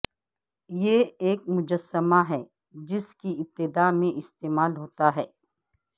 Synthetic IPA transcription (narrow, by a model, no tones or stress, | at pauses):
jeeːk̚mʊd͡ʒəsːəmaɦɛː | d͡ʒɪskiɪp̚t̪ːɪd̪aːmẽʔɪst̪eːmaːlɦoːt̪aɦɛː